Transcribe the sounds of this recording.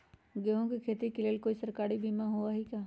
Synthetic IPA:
ɡeɦõkikʰeːt̪ikeleːlkoːisəɾkaːɾibʱiːmãɦoaɦikaː

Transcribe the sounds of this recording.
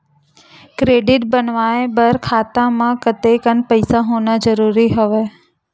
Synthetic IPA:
kɾeːɖɪʈ̚bənʋaːẽbɐɾkʰaːt̪ãmãkət̪ekənpəɪsaɦoːnazəɾuːɾiɦʊʋe

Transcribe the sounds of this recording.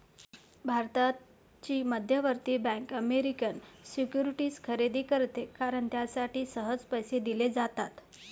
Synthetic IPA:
bʱaɾt̪a | t͡ɕiːməd̪ʱjəʋəɾt̪iːbɛ̃ŋkəmeɾikənsikjuɾiʈiːskʰəɾed̪iːkəɾt̪ekaɾəɳt̪jasaʈiːsəɦəd͡zpəjsed̪iled͡zat̪at̪

